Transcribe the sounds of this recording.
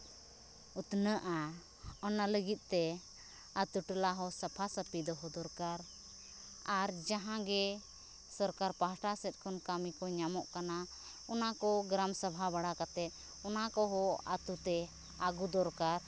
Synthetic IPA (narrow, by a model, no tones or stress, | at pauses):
ut̪nəʔa | ɔnaləɡit̪̚ˀt̪ɛ | at̪uʈəlaɦɔsapʰasəpid̪ɔɦɔd̪ɔɾkaɾ | aɾd͡ʒaɦãɡɛ | sɔɾkaɾpaɦaʈasɛt̪̚ˀkʰɔnkamikɔɲamɔʔkana | ɔnakɔɡɾamsabʱabaɽakat̪ɛt̪̚ˀ | ɔnakɔɦɔa̰t̪ut̪ɛ | aɡud̪ɔɾkaɾ